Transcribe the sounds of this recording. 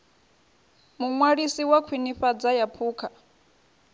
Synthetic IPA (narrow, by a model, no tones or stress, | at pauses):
muŋwaɺisiwakʰwiniɸad͡zajapʰuːkʰa